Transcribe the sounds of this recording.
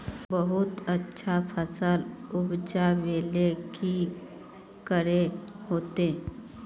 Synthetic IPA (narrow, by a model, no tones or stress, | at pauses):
bəɦʊt̪ətːʃʰapʰəsəlʊbd͡ʒaʋeːleki | kəɾeɦoːt̪eː